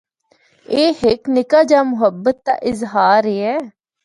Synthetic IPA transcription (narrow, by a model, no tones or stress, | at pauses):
eːhɪknɪkaːd͡ʒaːmʊɦəbːət̪ːa̰ːʔɪzɦaːɾeːɛː